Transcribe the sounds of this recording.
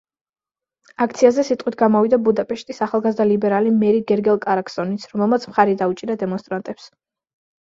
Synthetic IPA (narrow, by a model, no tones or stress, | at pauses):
akʰt̪sʰiazɛsit̪ʼqʼwit̪ʰɡamɔvid̪abud̪apʼɛʃt̪ʼisaχalˠɡazd̪alibɛɾalimɛɾiɡɛɾɡɛlˠkʼaɾaksɔnit̪sʰɾɔmɛlˠmat̪sʰmχaɾid̪aut͡ʃʼiɾad̪ɛmɔnst̪ʼɾant̪ʼɛps